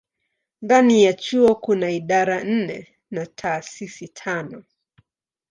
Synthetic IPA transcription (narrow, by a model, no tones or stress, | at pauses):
nðanijat͡ʃuɔkunaiɗaɾan̩nɛ | natʰaːsisitʰanɔ